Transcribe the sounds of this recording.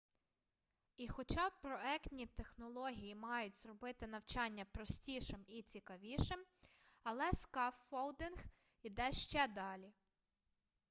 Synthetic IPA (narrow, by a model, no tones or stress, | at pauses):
ixɔt͡ʃɑpɾɔɛktʲnʲit̪exnɔlˠɔɦʲijimɑjʊtʲzrɔbɪt̪ɪnɐwt͡ʃɑnʲːɐpɾɔsʲtʲiʃɪmit͡sʲikɐʋʲiʃɪm | ɐlˠɛskɑfːɔlˠd̪ɪnx | id̪ɛʃt͡ʃɛd̪ɑlʲi